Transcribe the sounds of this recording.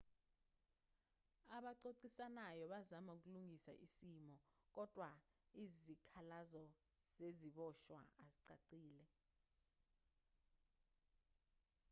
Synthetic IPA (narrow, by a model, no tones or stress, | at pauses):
aɓaǀoǀisanajɔɓazamauk̬uluŋʱisa̰ʔisimɔk̬ɔd̥ʱʼwaizikʰalazɔz̥eziɓɔʃwa̰aziǀa̰ǀiːlɛ